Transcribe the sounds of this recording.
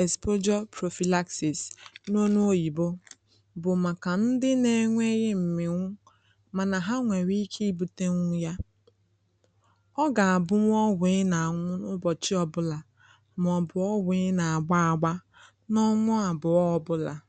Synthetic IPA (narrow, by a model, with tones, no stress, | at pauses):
e˨spo˦d͡ʒɔ˦pɾo˨fi˨la˦ksi˨sno˦nu˦o˦ji˨bʊ˦ | bʊ˨ma˨ka˨n̩˦dɪ˦ne˨ŋʷe˦ɣɪ˦m̩˨mɪ˨ŋʷʊ˦ | ma˨na˨ɦa˦ŋʷe˨ɾi˦kʰe˦i˦bu˨te˦ŋʷʊ˦ja˦ | ɔ˦ɡa˨a˨bʊ˦ŋʷ˦ɔ˦ɡʷe˨ɪ˦na˨a˨ŋʷʊ˦nʊ˦bɔ˨t͡ʃɪ˦ɔ˨bʊ˦la˨ | m˨ɔ˨bʊ˨ɔ˦ɡʷe˨˦na˨a˨ɡ͡ba˦a˨ɡ͡ba˦ | nɔ˦ŋʷʊ˦a˨bʊ˨ɔ˦ɔ˦bʊ˦la˨